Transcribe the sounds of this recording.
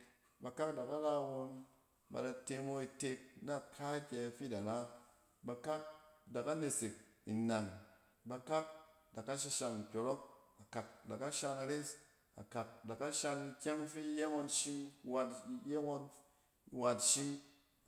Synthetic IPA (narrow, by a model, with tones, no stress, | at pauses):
ba˧ka˦kda˨ka˦ɾa˧wo˧n | ba̰˧da˧te˧mo˧i˧te˧k̚na˦˨kʰa˦kʲɛ˧fi˦da˨na˦ | ba˧ka˦k̚da˨ka˦ne˧se˨k̚i˨na˨ŋ | ba˧ka˦k̚ | da˨kːa˦ʃ̬i˧ʃa˧ŋ˨kʲo˨ɾo˦k̚a˨ka˨k̚da˨ka˦ʃa˧ŋa˧ɾe˦s | a̰˨ka˨k̚da˨ka˦ʃa˧ŋi˧kʲa˦ŋfi˦je˦ŋo˧nʃi˦wa˧tje˦ŋo˧n˨ | wa˨tʃi˦